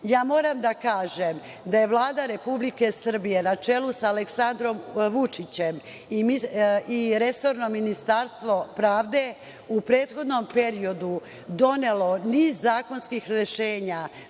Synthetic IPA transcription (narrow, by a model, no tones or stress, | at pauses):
jaːmo̞ːɾamd̪akaːʒem | d̪aje̞ʋlˠaːd̪aɾe̞publike̞sr̩bije̞nat͡ʃe̞lusaːleksand̪ɾo̞mʋut͡ʂit͡ɕem | iiiɾe̞so̞ɾno̞minist̪aɾst̪ʋo̞pɾaːʋd̪e̞ | upɾe̞ːt̪xo̞d̪no̞mpe̞ɾio̞d̪u | d̪o̞ne̞lo̞niːzːaːko̞nskixɾe̞ʃe̞ːɲa